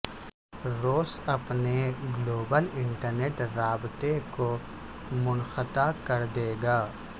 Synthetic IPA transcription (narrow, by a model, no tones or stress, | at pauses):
ɾoːsɐpneɡloːbəlɪ̃ɳʈəɾneːʈɾaːbt̪eko | mʊnxət̪akɐɾd̪eːɡaː